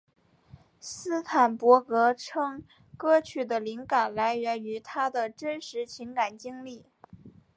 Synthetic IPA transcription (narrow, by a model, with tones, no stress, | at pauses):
sɹ̩˥t̪ʰa˨˩npwɔ˧˥kɤ˧˥ʈ͡ʂʰɤ˥ŋ | kɤ˥t͡ɕʰy˥˩d̪ə˦li˧˥ŋka˨˩nla˧˥ɪɥɛ˧˥ny˧˥t̪ʰa˥d̪ə˨ʈ͡ʂə˥nʂɻ̩˧˥t͡ɕʰi˧˥ŋka˨˩nt͡ɕi˥ŋli˥˩